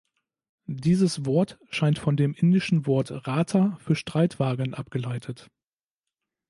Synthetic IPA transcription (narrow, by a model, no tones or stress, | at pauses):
diːzəsv̥ɔɐtʃaɪntfɔndeːmʔɪndɪʃn̩vɔɐtʁaːtʰɐfyːɐʃtʁ̥aɪtv̥aːɡənʔapɡ̥əlaɪtʰət